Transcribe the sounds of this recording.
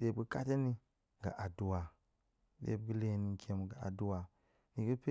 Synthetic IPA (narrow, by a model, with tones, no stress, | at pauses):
ɗe˦bɡə˦ka̰˦te˦ni˦ | ɡa̰˨ʔa˨du˨wa˨ | ɗḛ˨b̚ɡə˦le˦ni˨˦kʰʲe˦m˨ɡa˨a̰˨du˦wa˨ | ni˨ɡə˦pe˦